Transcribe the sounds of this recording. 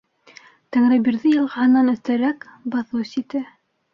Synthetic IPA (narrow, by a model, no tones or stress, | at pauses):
t̪æŋɾɘbiɾðɘjɤ̆lˠʁɑ̆ɦɤ̆nːɑnɵ̆θt̪æɾækbɑθɤsit̪ɘ